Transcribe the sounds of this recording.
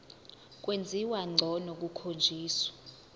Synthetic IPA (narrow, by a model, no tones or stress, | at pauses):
k̬ʼwend͡zʱiwaŋ͡ǀʱɔnok̬ukʰond͡ʒʱiːswḁ